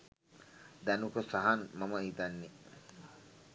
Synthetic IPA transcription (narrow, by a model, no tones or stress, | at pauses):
d̪ænukosaɦanmaməid̪anːe